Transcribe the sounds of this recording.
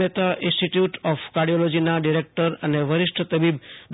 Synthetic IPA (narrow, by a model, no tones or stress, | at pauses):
et̪aʔɪ̃nsʈiʈjuʈɔfʰkaɾɖijolɔd͡ʒinaɖiɾek̚ʈəɾəneʋəɾɪʃʈʰət̪əbibd̪